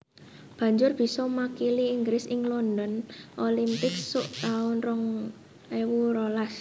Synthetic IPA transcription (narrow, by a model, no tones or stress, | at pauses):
b̥ä̤ɲd͡ʒʊrb̥i̤sɔmakiliːŋɡɾɪsɪŋlɔnd̪ɔnʔolimpɪksʊʔt̪aʊnrɔŋ | ewuɾolas